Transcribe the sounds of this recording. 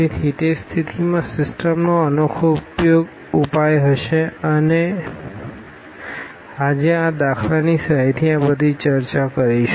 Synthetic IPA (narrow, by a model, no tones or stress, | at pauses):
iɦit̪est̪ʰit̪imãsɪsʈəmnoənokʰoupjoɡ | upajɦəʃeəne | ad͡ʒeãd̪akʰlanisəɦajt̪ʰiãbəd̪ʱit͡ʃəɾt͡ʃakəɾiʃe